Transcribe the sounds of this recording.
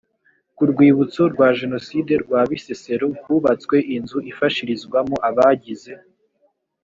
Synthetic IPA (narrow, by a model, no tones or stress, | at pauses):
kuɾɡwiːβut͡so̞ɾɡwaːʒe̞no̞side̞ɾɡwaːβisese̞ɾoɡɡuβat͡skwe̞ʔinzuʔifaʃiɾizɡwamoʔaβaːɟize̞